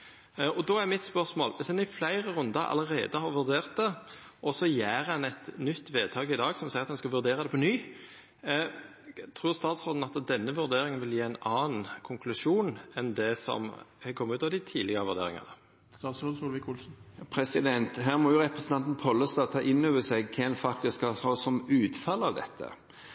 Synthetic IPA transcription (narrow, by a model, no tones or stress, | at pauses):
ɔd̪oːæɾmɪt̪spœʁsmo̰ːlʋɪsd̪ɛnɪflæɪʁəʁʉnd̪ɑɑ̰ləɾḛːd̪əhɑʁʋʉɾd̪eːʁt̪̚d̪ɛ | ʔɔsɔjæːʁɛnɛt̪nʏt̪ːʋeːd̪̚t̪ʰɑːɡɪd̪ɑːɡsɔmsæɪɾɑt̪hɛnskɑʋʉɾd̪eːʁɑd̪ɛpʰɔnyː | t̪ʰɾuːʁst̪ɑːt̪sɾoːd̪n̩ɑt̪d̪ɛnːəʋʉɾd̪eːɾɪŋənʋɪljiːæɪnɑːnkʰʊŋkʰlʉʂuːnɛnd̪ɛsɔ̰mkʰɔmːəʉːt̪ɑʋd̪ɪt̪ʰiːlɪɡəʁəʋʉʁd̪ḛːɾɪ̰ŋɑ̰nə̰ | st̪ɑːt̪sɾoːd̪uːlʋɪkuːlsn̩pʰɾɛsɪd̪ɛnt̪ɦæːʁmɔjʊɾɛpɾəsnt̪ɑnt̪n̩pʰɔlːəst̪ɑːt̪ʰɑʔɪnːøːʋəsɛɡkʰɛnfɑk̚t̪ɪskhɑsɑsɔmʉːt̪fɑlːɑʋd̪ɛ̰t̪ʰːə̰